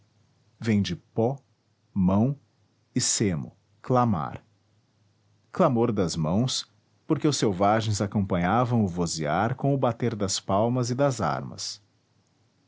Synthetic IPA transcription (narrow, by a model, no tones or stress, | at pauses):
vẽj̃d͡ʒɪpɔ | mɐ̃w̃ | ɪsemʊ̰ | klama̰ɾ | klamoɾd̪ɐzmɐ̃w̃s | poɾkeʊsewvaʒẽj̃zakõpɐ̃ɲavɐ̃w̃ʊvoziaɾkõw̃ʊbat̪eɾd̪ɐspawmɐzɪd̪ɐza̰ɾmɐ̰s